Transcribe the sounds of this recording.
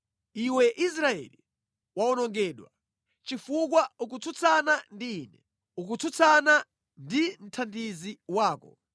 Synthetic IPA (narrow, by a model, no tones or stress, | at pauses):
iwɛʔis̬ɾaɛ̰li | waɔnɔŋɡɛːɗwa̰ | t͡ʃifuk̬wauk̬ut͡sʰut͡sʰanandiːnɛ | uk̬ut͡sʰut͡sʰana | ndim̩tʰandiziwaːkɔ̰